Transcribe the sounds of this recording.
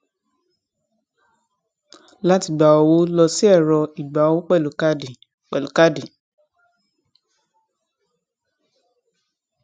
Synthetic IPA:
la˦ti˧˨ɡ͡ba˨ɔ˧wo˦lɔ˧si˦ɛ˦˨ɾɔ˧i˨ɡ͡ba˨˧˦wo˦k͡pɛ˦˨lo˨ka˦di˨ | k͡pɛ˨lo˨ka˦di˨

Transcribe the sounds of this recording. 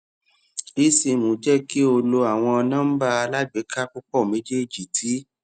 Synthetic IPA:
i˦si˧mũ˨˦d͡ʒɛ˦˨ki˦o˧lo˧a˨w̃ɔ̃˧ɔ˧nã˦m̩˦ba˦˧a˧la˦ɡ͡be˨˦ka˦k͡pu˦k͡pɔ˦˨mẽ˨˦d͡ʒe˦˨d͡ʒi˨tʰi˨˦

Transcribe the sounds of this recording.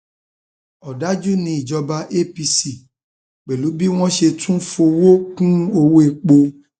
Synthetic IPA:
ɔ˨da˨˦d͡ʒu˦nĩ˧˦i˦˨d͡ʒɔ˧ba˧ʔe˦pi˧si˨ | k͡pe˨lu˨˦bi˦w̃ɔ̃˦ʃe˧tũ˦fo˧wo˦kũ˦o˧wo˦e˧˨k͡po˧

